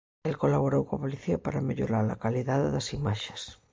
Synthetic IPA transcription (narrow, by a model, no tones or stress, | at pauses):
elkolaβ̞oɾowkopoliθiapaɾameʎoɾaɾlakaliðaððasimaʃe̥s